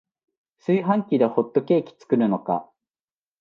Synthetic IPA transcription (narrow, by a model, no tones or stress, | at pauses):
sɨiɦãŋkʲid̪eho̞t̪ːo̞ke̞ːkʲi̥t͡sɨ̥kɯ̟ɾɯ̟no̞ka̰